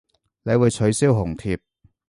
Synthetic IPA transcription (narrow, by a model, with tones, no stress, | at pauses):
le˨˧jwuː˨˧jt͡ʃʰɵ˨˧˥ɥsiː˥wɦʊ˨˩ŋt̪ʰiː˧p̚